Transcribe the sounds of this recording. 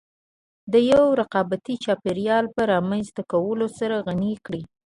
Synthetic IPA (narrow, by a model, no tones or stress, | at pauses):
d̪əjawɾaqɑbat̪it͡ʃɑpeɾijɑlpaɾɑmanzt̪akawəlosaɾaɣanikɽi